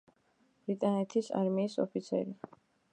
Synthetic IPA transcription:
b̥ɾit̪ʼanɛt̪ʰisa̰ɾmiːsɔ̰pʰit̪sʰɛ̰ɾi

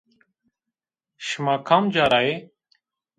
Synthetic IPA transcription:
ʃəmaːkʰaːmd͡ʒaːɾaːeː

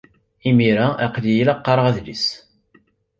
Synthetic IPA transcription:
imiɾaʔæqlijilɑqːɑɾˤəʁæðlḭs

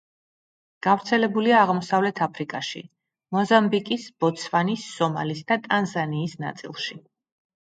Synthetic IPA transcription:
ɡ̥avɾt̪sʰɛlɛbuliaːʁmɔsavlɛt̪ʰapʰɾikʼaʃḭ | mɔzambikʼisb̥ɔt̪sʰvanisːɔma̰lisd̪at̪ʼanzaniːsna̰t̪sʼḭlˠʃi

